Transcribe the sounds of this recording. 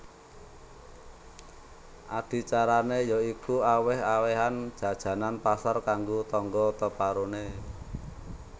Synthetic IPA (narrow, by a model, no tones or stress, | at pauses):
ʔad̥i̤t͡ʃaɾanejɔikuawɪhaweɦand̥ʒ̥ä̤d̥ʒ̥ä̤nanpasarkaŋɡot̪ɔŋɡɔt̪əpaɾone